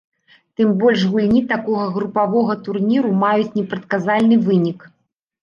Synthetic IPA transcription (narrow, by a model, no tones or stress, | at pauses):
t̪ɨmbɔlʲʂɣulʲnʲit̪akɔɣɐɣɾupavɔɣɐt̪urnʲiɾumajut͡sʲnʲɛpɾɐt̪̚kazalʲnɨvɨnʲik